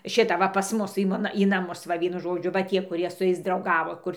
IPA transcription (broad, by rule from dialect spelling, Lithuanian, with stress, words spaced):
ˈʃʲɪtɐ ʋɐ pɐs ˈmʊs ɪ ˈmoːnɐ iː nɐˈmʊs ˈʋɐ ˈʋʲiɛnʊ ˈʒoːd͡ʒʲʊ ʋɐ ˈtʲiɛ kʊˈrʲiɛ sʊ ˈjɛɪs drɐʊˈɡɑːʋoː ˈkʊr